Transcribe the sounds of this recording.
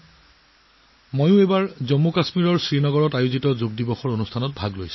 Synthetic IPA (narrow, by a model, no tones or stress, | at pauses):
mojʊ̃ebaɹzɔmːokasmiɹɔɹsɹinɔɡɔɹɔtajozitɔzoɡ̚dibɔxɔɹonustʰanɔt̚bʱaɡlojsu̥